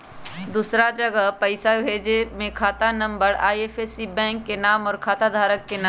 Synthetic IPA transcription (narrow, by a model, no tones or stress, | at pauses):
d̪uːsɾad͡ʒəɡəɦpɐɪsabʱeːd͡ʒemẽkʰaːt̪anɐ̃mbəɾaːieːpʰeːsibɛ̃ːŋkːenaːmɔːɾkʰaːt̪ad̪ʱaːɾəkːenaː